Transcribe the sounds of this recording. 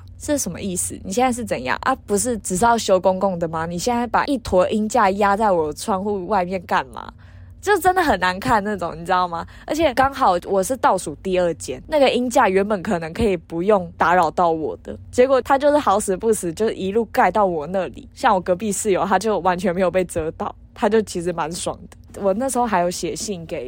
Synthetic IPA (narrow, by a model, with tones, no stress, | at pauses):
ʂɻ̩˥˩ʂə˨˩mə̰˦i˥˩sɹ̩̰˨˩ni˨˩ɕjɛ˥˧na˥˧ʂ̬ɻ̩˥˩t͡sə˨˩njɑ̰˥˩ŋʔa̰˦˩pu˧˥ʂ̬ɻ̩˥˩ʈ͡ʂɻ̩˨˩sɑ˥˩ɕjo˥ʊkʊ˥ŋkʊ˥˩ŋd̪ə˩ma˨ni˨˩ɕjɛ˥˧nt͡sa˥˩ɪpa̰˨˩ʔi˥˩t̪ʰwɔ˧˥ʔi˦˥nt͡ɕja˥˩ja˥t͡sa˥˩ɪwɔ˨˩˦ʈ͡ʂʰwɑ˥ŋxu˥˧wa˥˧ɪmjɛ˥˨nka˥˩nma̰˩ | t͡ɕjo˥˧ʊʂʈ͡ʂə˦nd̪ə˨ɦə˨˩nːa˧˦nkʰa˥˧nna˥˩ʈ͡ʂʊ˨˩ŋni˨˩t͡s̩ɻ̩˧˦˥ɑ˥˩ʊma˨˩ | ə̰˧˥t͡ɕʰɛ˨˩kɑ˥ŋxɑ˨˩ʊwɔ˨˩ʂɻ̩˥˧t̪ɑ˥˩ʊsu˨˩t̪i˥˧ə˥˧t͡ɕjɛ˧˥nna˥˩ɡə˩i˦˥nt͡ɕja˥˩ɥɛ˧˥npə˨˩nkʰɤ˨˩nɤ˧˦ŋkʰə˧˥i˨˩pu˧˦jo˥˩ŋt̪a˧˥ɻɑ˨˩ʊt̪ɑ˥˩ʊwɔ̰˨˩d̪̥ə̰˦t͡ɕjɛ˧˥kwɔ˨˩t̪ʰa˥t͡ɕjo˥˧ʊʂ̩˥˩xɑ˧˥ʊs̩˨˥pu˥˩sɹ̩˨˦t͡ɕjo˥˧ʊʂɻ̩˥˩i˧˥lu˥˧ka˥˧ɪt̪ɑ˥˩ʊwɔ˨˩na˥˨lḭ˨˩˦ɕjɑ˥˩ŋwɔ˨˩kɤ˧˥pi˥˧sɹ̩˥˩jo˧˥ʊt̪ʰa˥t͡ɕjo˥˩ʊwa˧˦nt͡ɕʰɥɛ˧˦nme˧˥ɪjo˨˩ʊpe˥˩ɪt͡sɤ˥t̪ɑ˥˩ʊt̪ʰa˥t͡ɕjo˥˩ʊt͡ɕʰi˧˥ʂ̬ɻ̩˧˥ma˧˦nswɑ̰˨˩ŋd̪̥ə˦wɔ˨˩na˥˩ʂ̩˧˥xo˥˧xa˧˥ɪjo˨˧˥ʊɕjɛ˨˩ɕi˥˩nke˨˩˦ɪ